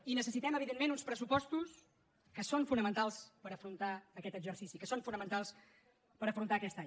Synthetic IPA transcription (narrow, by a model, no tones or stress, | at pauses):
inəsəsit̪ɛməβ̞iðenmenunspɾəsupɔst̪us | kəsonfunəmənt̪alˠspəɾəfɾunt̪aəkɛt̪əɡzəɾsisikəsoɱfunəmənt̪alˠs | pəɾəfɾunt̪aəkɛst̪aɲ